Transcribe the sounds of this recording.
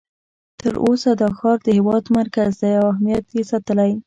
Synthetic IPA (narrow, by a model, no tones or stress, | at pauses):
t̪əɾʔosad̪əxɑɾd̪əhɪwɑd̪maɾkazd̪ajawahmijat̪jesɑt̪əlaj